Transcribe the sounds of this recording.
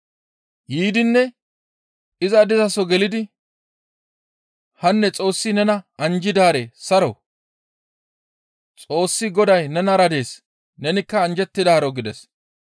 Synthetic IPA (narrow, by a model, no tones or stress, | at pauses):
jiːd̪ɪnːɛ | ɪzɐd̪ɪzɐsɔɡɛlɪd̪ɪ | hɐnːɛt͡sʼo̞ːsːɪnɛnɐɐnd͡ʒɪd̪aːɾesɐɾɔw | t͡sʼo̞ːsːɪɡɔd̪ɐjnɛnɐɾɐd̪e̞ːs | nɛnɪkːɐːnd͡ʒɛt̪ːɪd̪aːɾɔɡɪd̪ɛs